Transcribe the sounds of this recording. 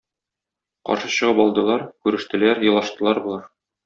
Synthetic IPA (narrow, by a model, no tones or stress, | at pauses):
qɒ̰ɾʃɤɕɤ̆ʁɤpɒlˠd̪ɤ̆lˠɑɾkʉɾɘ̆ʃt̪ɘ̆læɾjɤ̆lˠɑʃt̪ɤ̆lˠɑɾbulˠɑɾ